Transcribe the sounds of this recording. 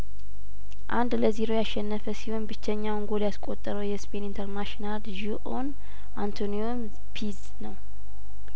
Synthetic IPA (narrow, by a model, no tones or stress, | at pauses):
ʔa̰nd̪ləziɾo̞jaʃːɛnːəfəsihonbɨt͡ʃːɛɲːawŋɡoljaskʼo̞t̪ʼːəɾəwjɛspʰe̞nint̪ʰəɾnaʃinalʒuʔon | ʔant̪ʰonijom | pʰiz | nəw